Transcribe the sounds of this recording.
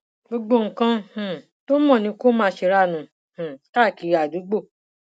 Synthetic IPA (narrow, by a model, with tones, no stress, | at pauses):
ɡ͡bo˧ɡ͡bo˧ŋ̩˨kã˧h̩˨ | to˦mɔ̃˦˨nĩ˧˦ko˦mãː˧˦ʃe˧ɾa˦˨nũ˨˦ | hũ˨ta˦˨ki˨˦a˨du˨˦ɡ͡bo˦˨